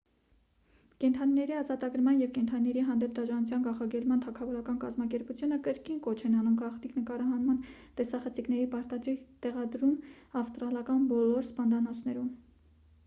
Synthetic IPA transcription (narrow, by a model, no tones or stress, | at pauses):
kɛnt̪ʰɑninɛɾiɑzɑt̪ɑɡəɾmɑnjɛvkɛnt̪ʰɑninɛɾiɦɑnd̪ɛp̚d̪ɑʒɑnut͡sʰjɑnɡɑχɑɡɛlmɑnt̪ʰɑkʰɑvɔɾɑkɑnkɑzmɑkɛɾput͡sʰjunəkəɾkinkɔt͡ʃʰɛnɑnumɡɑχniknəkɑɾɑɦɑnmɑn | t̪ɛsɑχət͡sʰiknɛɾipɑɾt̪ɑd̪ɾit̪ɛʁɑd̪ɾumɑfst̪ɾɑlɑkɑnbɔlɔɾspɑnd̪ɑnɔt͡sʰnɛɾum